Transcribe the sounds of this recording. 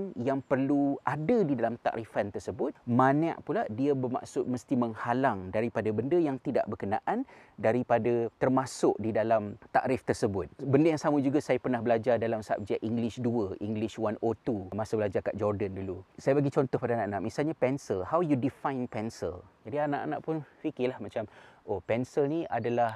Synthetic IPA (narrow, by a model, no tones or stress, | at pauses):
njaŋpərluʔadədidalamt̪a̰ʔɾifant̪ərsəbʊt̪̚mana̰ʔpuladiabərma̰ʔsʊt̪̚məst̪iməŋhalaŋdaɾipadəbəndəjaŋt̪ida̰ʔbərkənaʔan | daɾipadət̪ərmasʊʔdidalamt̪aʔɾɪft̪ərsəbʊt̪̚bəndəjaŋsaməd͡ʒuɡasajapərnahbəlad͡ʒardalamsaa̰p̚d͡ʒaʔiŋɡlɪʃduəʔiŋɡlɪʃwanot̪umasəbəlad͡ʒaka̰ʔd͡ʒɔrdəndulusajabaɡit͡ʃɔnt̪ɔhpadaanãʔanaʔmisalɲapɛnsəlhawjudifãjnpɛnsə̰ld͡ʒadianaʔa̰nãʔpʊnfikɪlahmat͡ʃamʔopɛnsəlnĩʔadalah